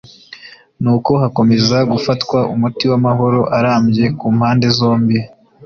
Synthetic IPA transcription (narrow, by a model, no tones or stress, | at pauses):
nuːko̞hako̞me̞zaɡufatkwaʔumutiwamaɦo̞ɾo̞ʔaɾaːmɟe̞kuːmhaːnde̞zo̞ːmbi